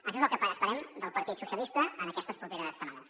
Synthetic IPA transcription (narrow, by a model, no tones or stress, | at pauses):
əʃɔzəlˠkəpəəsəɾɛmd̪əlˠpəɾt̪it̪susjəlist̪əənəkɛst̪əspɾupeɾəsːəmanəs